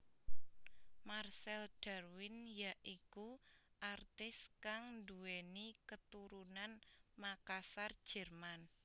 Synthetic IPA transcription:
marsɛlɖ̥a̤rwɪnjaʔikuʔart̪ɪskaŋnduwenikət̪uɾunanmakasard̥ʒ̥ɛ̤rman

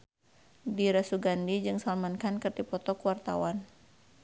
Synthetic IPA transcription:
diɾasuɡandid͡ʒɨŋsalmankankɨrdipɔt̪ɔkuwart̪a̰wan

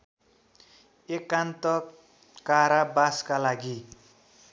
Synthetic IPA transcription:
ekant̪ʌ | kaɾabaskalaɡi

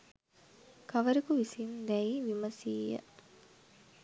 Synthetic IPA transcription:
kaʋəɾəkuʋisimd̪ɛiʋiməsiːjə̰

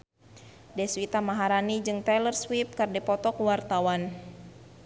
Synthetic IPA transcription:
dɛswit̪amaɦaɾanid͡ʒɨŋt̪ɛlərswip̚kardipɔt̪ɔkwart̪awan

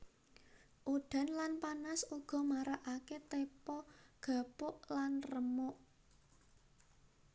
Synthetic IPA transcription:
ʔuɖ̥a̤nlanpanasuɡ̥ɔ̤maɾaʔaket̪epɔɡ̥ä̤pʊʔlanrəmʊʔ

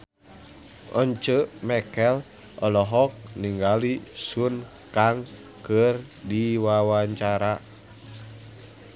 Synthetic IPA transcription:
ʔɔɲt͡ʃəmɛkɛl | ʔɔlɔɦɔk̚niŋɡalisun | kaŋ | kər | diwawaɲt͡ʃaɾa

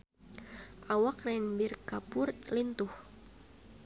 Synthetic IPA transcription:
ʔawakrɛnbirkapʊrlint̪ʊh

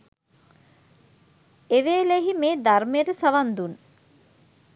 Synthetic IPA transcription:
eʋeːleɦimeːd̪armejəʈəsaʋand̪un

